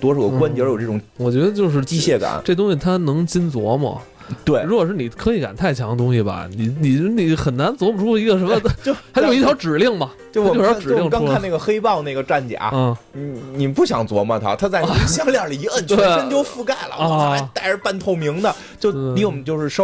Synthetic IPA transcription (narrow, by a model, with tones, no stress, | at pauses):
t̪wɔ˥ʂɑ˨˩ʊ˧wa˥nt͡ɕjɛ˧˥jʈ͡ʂɤ˥˩ʈ͡ʂʊ˨˩ŋwɔ˨˩t͡ɕɥɛ˧˥d̪ə˧t͡ɕjo˥˧ʊʂ̬ɻ̩˥˧˩t͡ɕi˥ɕjɛ˥˩ka̰˨˩˦nʈ͡ʂe˥˩ʊ˥ŋɕi˨˩t̪ʰa˥nɤ˧˥ŋt͡ɕi˥nt͡swɔ˧˥mɐ̰˨ | t̪we˥˩ɪɻu˧˥kwɔ˨˩ʂɻ̩˥˩ni˨˩kʰɤ˧˥i˧˥ka˨˩nt̪ʰa˥˩ɪt͡ɕʰjɑ˧˥ŋə˧t̪̬ʊ˥ŋɕi˨˩bɐ̰˩ni˨˩ni˨˩ni˨˩xə˨˩nna˧˥nt͡swɔ˧˥mʰ˨˩ɔ˥i˧˥ɡə˧ʂə˧˥nmə˧t͡ɕo˥˧xa˧˥jʊi˥˩tʰjʊʈ͡ʂɻ̩˨˩li˥˩ŋmɐ˩t͡ɕjo˥˧˩ɔ˨˥˩ʈ͡ʂ̩˨˥˧lji˥˩˧ŋʈ͡ʂkɑ˥a˥˧nna˥˩ɡə˩xe˥ɪpɑ˥˧ʊna˥˩ɪɡə˩ʈ͡ʂa˥˩nt͡ɕja̰˨˩˦ni˨˩pu˥˩ɕjɑ˨˩ŋt͡swɔ˧˥mɐ˧t̪ʰa̰˥t̪ʰa˥t͡sa˥˧ɪɕjɑ˥ŋljɑ˥˩˨i˧˥ə˥˩nʰt̪we˥˧˩t͡ɕjo˥˧ʊfu˥ka˥˩ɪlə̰˨˩˥t̪a˥˧ɪə˧˥pa˥˧nt̪ʰo˥˩ʊmi˧˥ŋd̪ə˨ | t͡ɕjo˥˧ʊ˩˧˥li˥˩t͡ɕjo˧ʊʂɻ̩˥˧ʂo˥